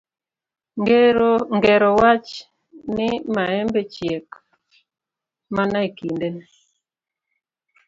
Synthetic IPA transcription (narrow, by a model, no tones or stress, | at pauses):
ŋɡɛɾɔwat͡ʃ | nɪmaɛmbet͡ʃjek | manaikinden